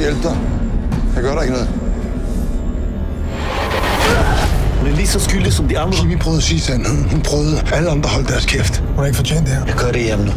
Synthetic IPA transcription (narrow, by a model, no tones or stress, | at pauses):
jelb̥̚d̥ɐ | kʰæɡ̥ɶɐɾeɡ̥nɔːð̩ˠ | hunæɐlid̥sɒ̽sɡ̥yldisɒ̽md̥iɑ̈nd̥ʁɐʋipʰʁœːðˠɐsiːsænhhunpʰʁœːʊðˠəæləɑ̈nd̥ʁɐɦɒ̽l̰d̥d̥æɐskʰefd̥hũnhɑ̈eɪɡ̥fɒt͡ɕʰḛːnd̥eeɐjaɡ̥ʰɶɐɾejemn